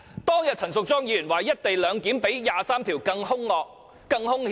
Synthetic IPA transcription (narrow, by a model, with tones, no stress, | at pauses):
t̪ɔː˥ŋjɐ˨t̚t͡sʰɐ˨˩nsʊ˨k̚t͡sɔː˥ŋjiː˨˧jy˨˩nwaː˨˩jjɐ˥t̚t̪e˨jlœː˨˧ŋkiː˨˥mpe˨˥jjaː˨saː˥mt̪ʰiː˨˩wkɐ˧ŋhʊ˥ŋlɔː˧k̚ | kɐ˧ŋhʊ˥ŋh